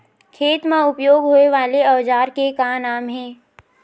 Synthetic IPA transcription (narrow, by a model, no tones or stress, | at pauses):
kʰeːt̪mãʊpjoːɡɦoːeʋaːleɐʋd͡ʒaːɾkekanaːmɦɛ̃ː